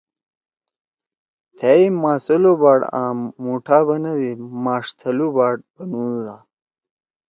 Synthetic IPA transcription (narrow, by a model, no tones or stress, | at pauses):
t̪ʰeimaːsɐlobaːɽãːmːuːʈʰaːbɐnɐd̪imaːʂt̪ʰɐlubaːɽ̚bɐnũːd̪aː